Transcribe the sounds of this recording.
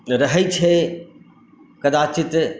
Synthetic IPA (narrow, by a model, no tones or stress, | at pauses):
ɾɐɦəit͡ʃʰe | kɐd̪aːt͡ʃɪt̪